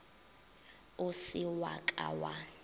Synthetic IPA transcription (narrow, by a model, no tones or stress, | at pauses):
ʊsɪwa̰kʼa̰wa